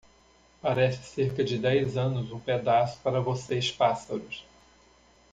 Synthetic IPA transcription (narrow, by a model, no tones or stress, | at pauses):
paɾɛsɪ̥seɾkɐd͡ʒɪd̪ɛjzɐ̃nʊzũped̪asʊ̥paɾɐvosespasɐɾʊs